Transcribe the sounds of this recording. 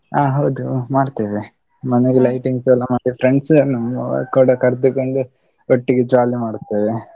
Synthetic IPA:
aːɦɐwd̪umaːɽt̪eʋe | mɐneɡelɐjʈiŋɡsɛlːɐmaːɽipʰɾeɳɖsnɐmɐkuːɽɐkɐɾd̪ukoɳɖu | oʈːiɡed͡ʒaːlimaːɽt̪ːeːʋe

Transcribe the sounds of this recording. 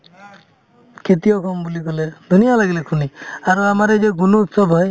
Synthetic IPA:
kʰet̪ijɔkʰɔmbulikɔled̪ʱunijalaɡilekʰuniaɾuamaɾed͡ʒeɡunuːt̪sɔbʱɔj

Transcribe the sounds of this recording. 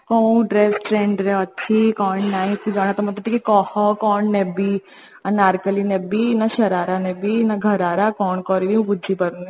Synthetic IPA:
kɔ̃ːɖɾeːsʈɾẽːɳɖɾɛɐtːʃʰikɔːnnaːĩk̪ĩd͡ʒaːɽ̃at̪ɔmɐt̪ɐt̪ikikɔːhɔkɔːnnɛbi | ɐnaːɾkəlinebinaʃɐɾaːɾanɛbinaɡʱɐɾaːɾakɔːnkɔːɾidiũbʊdd͡ʒipɐɾ

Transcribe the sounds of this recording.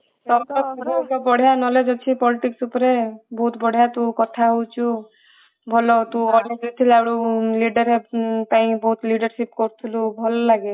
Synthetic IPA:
t̪ɔmt̪ɔɾɔkɔbɔɽ̤ʱjanɔled͡ʒɔt͡ʃʰipɔliʈiksupɔɾebɔɦut̪bɔɽ̤jat̪ũkɔt̪ʰaɦot͡ʃʰu | bʱɔlɔt̪ũɔled͡ʒut̪ʰilawɽuliɖɔɾep̪aĩbɔɦut̪liɽɔɾsipkɔɾt̪ʰilubʱɔlɔlaɡe

